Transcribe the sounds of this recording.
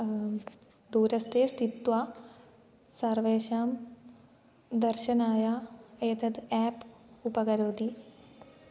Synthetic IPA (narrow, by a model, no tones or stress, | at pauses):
d̪uːɾɐst̪ʰeːst̪it̪ʋaː | sɐɾʋeːʃaːm | d̪ɐɾʃɐnaːjaːɐjt̪ɐd̪ɛːpupɐɡɐɾoːd̪i